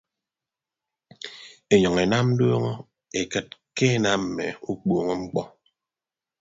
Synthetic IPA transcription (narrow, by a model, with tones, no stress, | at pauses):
e˨ɲɔ˨ŋe˨na˦m̩˦do˦ŋɔ˦ | e˨kɨ˦t̚ke˦na˦m˨me˨u˦k͡po˨ŋɔ˦ŋ͡m̩˦k͡pɔ˦